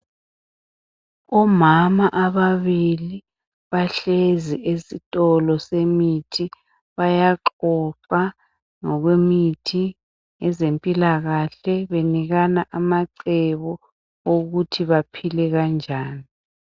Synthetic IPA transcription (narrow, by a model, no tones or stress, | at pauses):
ɔmamaʔaβaβili | βaɬeziʔesitʼɔlɔsemitʰi | βajaǁɔǁa | ŋɔɣwemitʰi | ŋɛzempʼilaɣaɬɛβeniɣanaʔamaǀɛβɔ | oɣutʰiβapʰilɛɣand͡ʒʱaːni